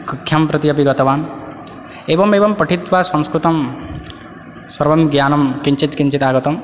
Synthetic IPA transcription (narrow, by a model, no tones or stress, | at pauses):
kukʰːjɐmpɾɐt̪iɐp̬iɡɐt̪ɐʋaːn | eːbɐmeːbɐmpɐʈʰit̪ʋasɐ̃ŋskɾut̪ɐm | swɐɾbɐmɡjaːnɐmkiɲt͡ʃit̪kiɲt͡ʃit̪aːɡɐt̪ɐm